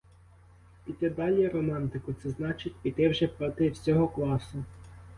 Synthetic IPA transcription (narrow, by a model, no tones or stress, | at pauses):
pʲitʲɐd̪ɑlʲijɐɾɔmɑnt̪ɪkʊt̪sɛznɑt͡ʃɪtʲpʲit̪ɪwʒɛpɾɔt̪ɪwsʲɔɦɔklˠɑsʊ